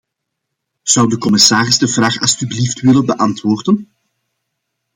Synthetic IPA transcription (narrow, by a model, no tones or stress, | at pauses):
z̥ʌwdəkɔmɪsaːɾɪzdəvraːxɑ̰lˠstybliftʋɪlənbəʔɑntwoːrdən